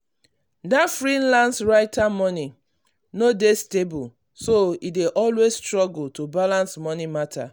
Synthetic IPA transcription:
dafɹĩnlãndsɹaɪtʰamɔni | nodestebul | soideʔɔlwesstɹɔɡul̩tobalãnsmɔnimatʰa̰

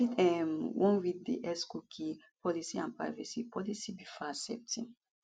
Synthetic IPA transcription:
itɛmwɔ̃nwid̚dḛʔɛskukʰi | pɔlisiã̰npɹa̰jvɛsipɔlisibifasɛ̰p̚tʰḭ̃n

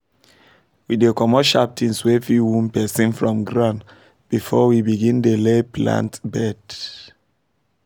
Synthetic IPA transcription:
widekɔmɔʃap̚tʰĩnswefiwũmpɛsĩnfɹɔ̃mɡɹãn | b̥ifɔwibiɡĩndelepʰlã̰ntbɛd

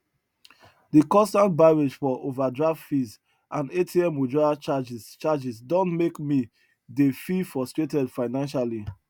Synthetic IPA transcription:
dikɔ̃nstãnt̚baɹed͡ʒfɔʔovadɹaftfiz | ʔãnetʰiɛmod͡ʒɔat͡ʃad͡ʒt͡ʃad͡ʒisdɔ̃ntmekmi | defifɔstɹetɛdfaɪnãnʃali

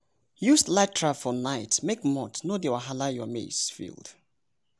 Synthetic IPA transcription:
juslatɹafɔnaɪtmekmɔtnodewaɦalajɔmḛsfḭlˠd̥

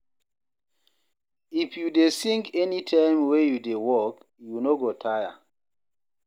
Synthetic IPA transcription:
ifjudesĩŋkɛnitʰãɪmwejudewɔk | junoɡotʰaja̰

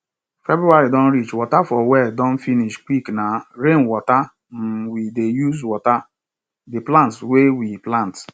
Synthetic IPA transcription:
fɛbɾuaɾidɔ̃n̩ɾit͡ʃwɔtafɔwɛdɔ̃n̩finiʃkʷiknaɾenwɔta | m̩widejuzwɔta | dɪplãntswewiplãnt

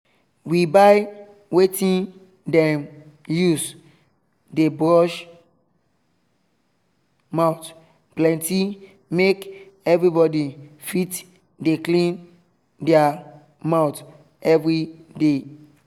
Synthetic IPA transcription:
wibaɪ | wetĩn | dɛ̃n | jus | debɹɔʃ | maʊt | plɛ̃nti | mekɛvɹibɔdifit | deklĩn | dɛa | maʊt | ɛvɹide

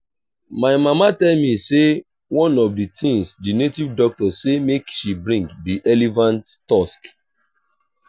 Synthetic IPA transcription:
maɪmamatɛlmise | wɔ̃nɔvditʰĩŋsdinetivdɔk̚tɔsemekʃibɹĩŋkbiʔɛlevãnttask

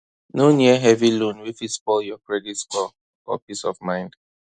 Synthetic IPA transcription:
noniəɦɛvilũnwifispɔljɔkɹɛditskɔ | fɔ̰pisɔvmãɪ̃nd

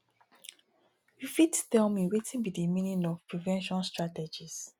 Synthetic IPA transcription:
wifidtɛmĩwetĩnbidimĩnĩnɔvpɹivɛ̃nʃɔ̃nstɹatɛd͡ʒis

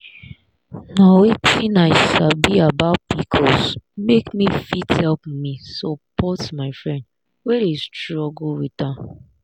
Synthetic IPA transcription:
nawetʰinaɪsabiabaʊt̚bikʰɔsmekmifithɛlpmisɔpɔtmaɪfɹɛ̃nd | wɛdestɹɔɡl̩wiθã

